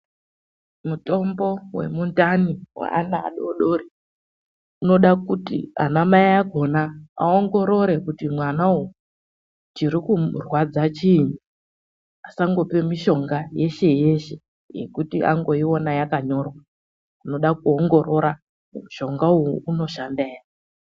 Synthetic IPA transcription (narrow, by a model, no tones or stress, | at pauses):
muto̞mbo̞we̞̰mundaniwa̰a̰naa̰ɗoɗo̞ɾi | uno̞ɗakutḭa̰namaiaɡʱo̞naa̰o̞ŋɡo̞ɾo̞ɾe̞kutimwanau | d͡ʒiɾikurwad͡zat͡ʃiɲi | asaŋɡo̞pe̞miʃo̞ŋɡaje̞ʃe̞je̞ʃe̞ | je̞̰kutiʔa̰ŋɡo̞iwo̞najakaɲo̞rwa | uno̞ɗak̚uoŋɡo̞ɾo̞ɾa | umuʃo̞ŋɡaujuno̞ʃandeːja